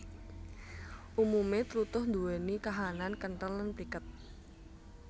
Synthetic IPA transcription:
ʔumumet̪ɾut̪ʊhnd̪uwenikaɦanankənʈələnpikət̪̚

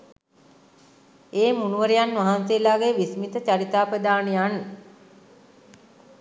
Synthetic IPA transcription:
eːmunuʋəɾejanʋaɦanseːlaːɡeʋismit̪ət͡ɕaɾit̪aːpəd̪aːnejan

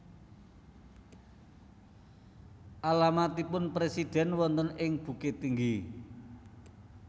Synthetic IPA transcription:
ʔalamat̪ipʊnpɾesid̪̥ɛ̤nwɔnt̪ənɪŋb̥ṳket̪iŋɡi

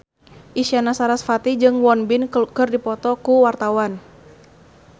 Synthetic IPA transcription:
ʔisianasaɾasfat̪id͡ʒɨŋwɔnbinkɨrdipɔt̪ɔkuwart̪awan

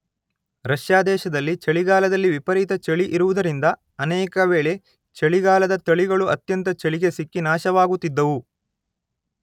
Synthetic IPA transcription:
ɾɐʃjaːd̪ɛːʃɐd̪ɐlːit͡ʃɐɭiɡaːlɐd̪ɐlːiʋipɐɾit̪ɐt͡ʃɐɭiʔiɾuʋud̪ɐɾind̪ɐ | ɐnɛːkɐʋeːɭe̞ | t͡ʃɐɭiɡaːlɐd̪ɐt̪ɐɭiɡɐɭuɐ̰t̪jɐnt̪ɐt͡ʃɐɭiɡesikːinaːʃɐʋaːɡut̪ːid̪ːɐʋu

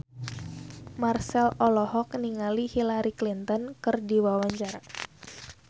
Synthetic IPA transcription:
marsɛlɔlɔhɔkniŋalihilaɾiklint̪ɔnkɨrdiwawaɲt͡ʃaɾa

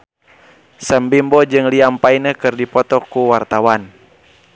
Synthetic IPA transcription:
səmbimbɔd͡ʒɨŋliampainəkɨrdipɔt̪ɔkuwart̪awan

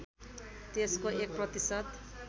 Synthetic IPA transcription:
t̪eskoʔek̚prʌt̪isʌt̪

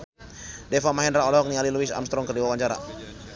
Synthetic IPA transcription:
dɛfamaɦɛndɾaɔlɔɔk̚nialiluisa̰mst̪ɾɔŋkərdiwawaɲt͡ʃaɾa̰

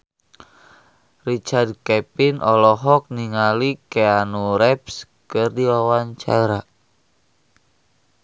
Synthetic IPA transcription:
rit͡ʃard̪̚kɛpinʔɔlɔɦɔk̚niŋalikeanuɾɛps | kɨrdiawaɲt͡ʃaɾa

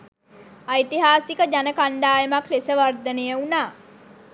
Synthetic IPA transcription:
ajt̪iɦaːsikəd͡ʒanəkaɳɖ̪aːjəmaklesəʋard̪ənəjəunaː

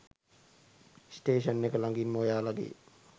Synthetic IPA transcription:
sʈeːʃənːekəlaŋɡimːoːjaːlaɡḛː

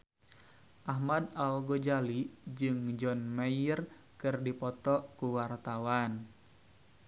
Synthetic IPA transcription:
ʔaɦmadalɡod͡ʒalid͡ʒɨŋd͡ʒɔnmajər | kɨrdipɔt̪ɔkuwart̪awan

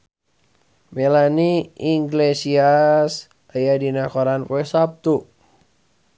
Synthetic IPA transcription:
melaniiŋɡlesias | ajadinakoɾanpuɛhsap̚t̪u

